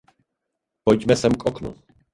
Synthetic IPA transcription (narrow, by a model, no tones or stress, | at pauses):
pojɟmɛsɛmkʔɔknṵ